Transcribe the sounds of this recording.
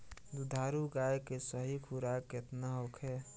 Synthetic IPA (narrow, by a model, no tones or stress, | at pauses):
d̪ud̪ʱaːɾuɡajkesəɦikʰuɾaket̪naɦokʰe